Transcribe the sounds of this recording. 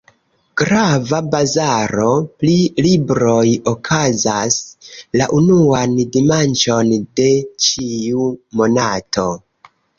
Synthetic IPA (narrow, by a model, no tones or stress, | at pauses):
ɡ̥ɾavabazaɾo̞plilibɾo̞jokʰazaslaʔunuandimant͡ʃo̞nde̞t͡ʃiumo̞natʰo̞